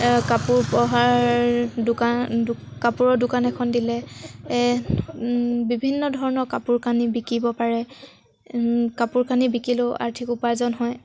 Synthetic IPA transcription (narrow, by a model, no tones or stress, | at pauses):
kapuɹpɔɦaɹdʊkakapuɹɔdʊkanɛkʰɔndilɛ | bibʱinːɔdʱɔɹɔnɔkapuɹkanibikibɔpaɹɛ | kapuɹkanibikilʊa̰ɹtʰikupazɔnɦɔj